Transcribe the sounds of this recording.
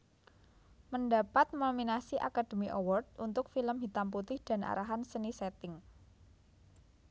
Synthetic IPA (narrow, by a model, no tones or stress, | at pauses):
məndapat̪̚mominasiʔa̰kad̥e̤miʔowɔrd̚unt̪ʊkfiləmɦit̪amput̪ɪhd̥a̤na̰ɾaɦansənisɛt̪ɪŋ